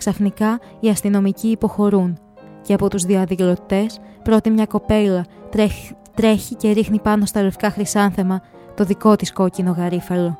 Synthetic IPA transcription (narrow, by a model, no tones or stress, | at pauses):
ksɐfnikɐ | iɐst̪ino̞miciːpo̞xo̞ɾun | ce̞ɐpo̞t̪uzðioɐðilo̞t̪e̞spɾo̞t̪imɲɐko̞pe̞lɐ | t̪ɾe̞çice̞ɾixnipɐno̞st̪ɐlofi̥kɐxɾisɐnθe̞mɐ | t̪o̞ðiko̞t̪isko̞cino̞ɣɐɾifɐlo̞